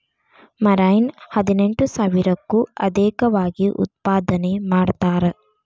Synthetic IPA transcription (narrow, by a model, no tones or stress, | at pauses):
mɐɾajnhɐd̪ineɳʈusaːʋiɾɐkːuɐ̰d̪eːkɐʋaːɡiʔṵt̪̚paːd̪ɐnemaːɽt̪aːɾe